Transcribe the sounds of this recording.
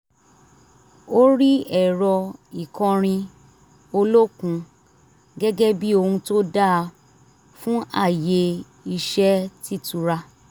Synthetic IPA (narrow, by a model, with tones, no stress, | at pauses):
o˦ɾi˦ɛ˦˨ɾɔ˧i˨kɔ̃˧ɾ̃ĩ˧ | o˧lo˦kũ˧ | ɡɛ˦ɡɛ˦bi˦o˧hũ˧to˦da˦˧ | fũ˦ʔa˦˨je˧ | i˧ʃɛ˦ti˦˨tu˨˧ɾa˧